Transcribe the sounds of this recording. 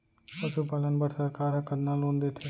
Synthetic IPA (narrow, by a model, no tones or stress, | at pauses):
pəʃupaːlənbəʈsəɾkaːɾɦəkəd̪naːlɦoːnd̪eːt̪ʰeː